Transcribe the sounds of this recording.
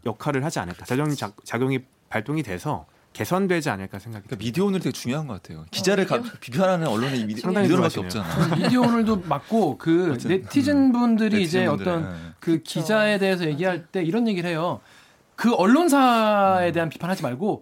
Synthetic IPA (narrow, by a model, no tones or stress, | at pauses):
jʌkʰaɾɯɭɦad͡ʑia̰nɯɭk͈aad͡ʑjʌŋit͡ɕat͡ɕaɡjoŋi | paɭt͈oŋidwe̞sʰʌ̰ | ke̞sʰʌndwe̞d͡ʑia̰nɯɭk͈asʰeŋɡaɡi̥mideoonɯɾteɡet͡ɕuŋjoɦanɡʌkatʰe̞jo̰kid͡ʑaɾɯɭkapipʰjoɦaɾanɯnʌɭːoneaŋdaŋiak͈eet͡ɕanamiddeonɯɭdomak̚k͈okɯne̞tʰid͡ʑinbundɯɾiːd͡ʑe̞ʌt͈ʌnkɯkid͡ʑae̞de̞ɦes̬ʰʌje̞ɡiɦaɭt͈e̞iɾʌnje̞ɡiɯɭɦe̞jo | kɯʌɭːons̬ʰae̞de̞ɦanpi̥pʰanɦad͡ʑimaɭɡo